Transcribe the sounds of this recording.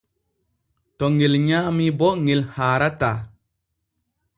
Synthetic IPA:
tɔŋelɲaːmibɔŋelhaːɾata

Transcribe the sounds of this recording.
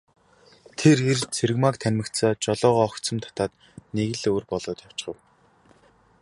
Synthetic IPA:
t̪ʰerert͡sʰeɾɘ̆ɣmakt̪ʰænʲmɘ̆kt̪saːt͡ɕɔɮɔːʁɔːkt̪t͡sɞ̆mt̪ʰḁt̪aːt̪ | neɣɘ̆ɮoːrpɔɮʊːt̪jaw̥t͡ɕχə̆w

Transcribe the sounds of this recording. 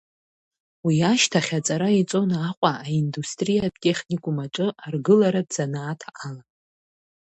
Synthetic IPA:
wiaʃtʰaχʲat͡sʼaɾait͡sʼo̞naqʷʼaaindustʼrijatʼe̞χʲnikʷʼumaʈ͡ʂʼɨarɡɨlaɾadz̥anaːtʰaʔala

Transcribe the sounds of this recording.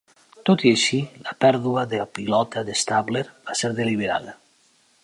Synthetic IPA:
t̪ot̪ieʃiləpɛɾðuaðelpilɔt̪aðest̪aβleɾb̥aseɾðeliβ̞eɾa̰ða

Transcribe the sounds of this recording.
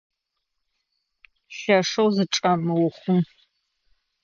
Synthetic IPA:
ɬɐʂɐwzɨʈ͡ʂʼɐmɨwʊχʷʊm

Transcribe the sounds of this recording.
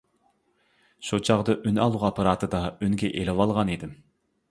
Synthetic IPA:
ʃut͡ʃʰɑʁd̪ɑʔynɑlˠuqɑpʰɑɾɑːt̪ʰɨd̪ɑynɡʲɛʔelɪwɑlˠʁɑnid̪ɪm

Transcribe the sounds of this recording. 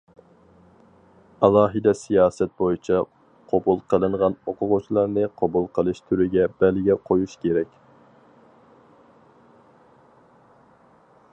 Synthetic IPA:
ɑlˠɑːɦɨd̪ɛsijɑːsɛt̪̚bojit͡ʃʰɑ | qʰobulˠqʰəlˠɨɴʁɑnoqʰʊʁʊt͡ʃʰilˠɑɾnɨqʰɑbulˠqʰəlˠɨʃt̪ʰyɾɪɡʲɛb̥ɛlɪɡʲɛqʰojuʃkʲeɾɛkʲ

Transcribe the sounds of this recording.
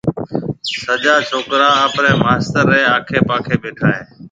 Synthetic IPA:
səʄaːt͡ʃʰoːkɾãːəːpnẽːmaːst̪əɾːeːaːkʰeːpãːkʰeːɓeːʈʰaːɦeː

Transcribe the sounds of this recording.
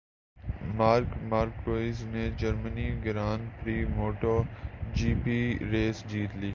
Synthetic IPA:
maːɾkmaːɾkɾoːɪzned͡ʒəɾməniɡɪɾaːnpɾiːmoːʈoːd͡ʒiːpiɾeːsd͡ʒiːt̪liː

